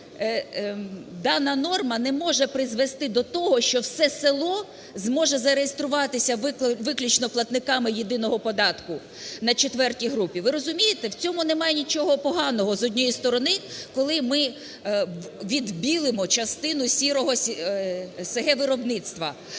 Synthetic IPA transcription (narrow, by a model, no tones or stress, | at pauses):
d̪ɑnɐnɔrmɐnɛmɔʒɛpɾɪzʋest̪ɪd̪ɔt̪ɔɦɔʃt͡ʃɔwsɛselˠɔ | zmɔʒɛzɐɾejest̪ɾʊʋɑt̪ɪsʲɐʋʋɪklʲut͡ʃnɔplˠɐt̪nɪkɑmɪjed̪ɪnɔɦɔpɔd̪ɑt̪kʊ | nɐt͡ʃet̪ʋɛrtʲiɦɾupʲiʋɪɾɔzʊmʲijet̪ɛwt͡sʲɔmʊnɛmɑjenʲit͡ʃɔɦɔpɔɦɑnɔɦɔzɔdʲnʲɔjist̪ɔɾɔnɪkɔlˠɪmɪ | ʋʲid̪bʲilˠɪmɔt͡ʃɐst̪ɪnʊsʲiɾɔɦɔ | seɦɛʋɪɾɔbnɪt̪st̪ʋɐ